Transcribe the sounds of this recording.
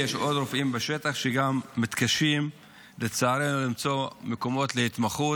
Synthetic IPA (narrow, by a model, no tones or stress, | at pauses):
jeʃʔo̞d̪ɾofimbeʃe̞t̪aχʃeɡamːit̪kaʃim | let͡saːɾenulimt͡so̞meko̞mo̞t̪lehit̪maχu